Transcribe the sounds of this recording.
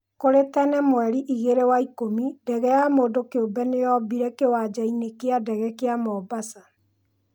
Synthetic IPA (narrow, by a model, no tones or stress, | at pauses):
koɾetɛnɛmwɛɾiʔiɣeɾewaikomidɛɣɛjamoːdokeobɛnejɔbiɾɛkewad͡ʑainekeadɛɣɛkeamɔːbasa